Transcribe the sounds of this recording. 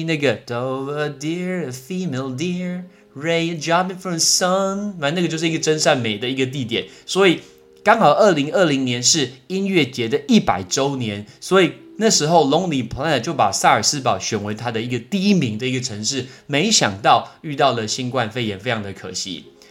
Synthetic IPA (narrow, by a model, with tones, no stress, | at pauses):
na˥˩ɡə˩d̪o˨˧ə˧di˥ɹəfi˥˧me˧ɪlˠdi˥ɹ | ɹe˥ɪd͡ʒɑ˥pĩ˧ŋfɹɔ˨msɔ˦na˧na˥˩ɡə˩t͡ɕjo˥˧ʂɻ̩˥˩˧i˥ɡə˨ʈ͡ʂə˥nʂa˥˩nme˨˩ɪd̪ə˦i˧˥ɡə˧t̪̬i˥˨˩t̪̬jɛ̰˨˩˦nswɔ˧˦˥i˨˩ | kɑ˥ŋxɑ˨˩ʊʔə˥˩li˧˥ŋə˥˩li˧˥ŋnjɛ˧˦nʂɻ̩˥˨i˥nɥɛ˥˩t͡ɕjɛ˧˥d̪ə˨ʔi˥˩pa̰˨˩ɪʈ͡ʂo˥ʊnjɛ˧˦nswɔ˧˦˥i˨˩na˥˩ʂɻ̩˧˥xo˥˩ʊlʊ˧˥ŋli˨˩pʰt͡ɕjo˥˩ʊpa˨˩sa˥˩ə˞˨˩s̩˦pɑ˨˩ʊɕɥɛ˨˩nwe˧˥ɪt̪ʰa˥d̪ə˨i˧˥ɡə˨t̪i˥˩i˦˥mi˧˥ŋd̪ə˧˨i˧˥ɡə˨ʈ͡ʂʰɤ˧˥ŋʂɻ̩˥˩me˧˥ɪɕjɑ̰˨˩ŋt̪ɑ˥˨ʊy˥˧t̪ɑ˥˩ʊlə˩ɕi˥nkwa˥˧nfe˥ɪjɛ˧˥nfe˥ɪjɑ˧ŋd̪ə˨˩kʰɤ̰˨˩ɕḭ˦˥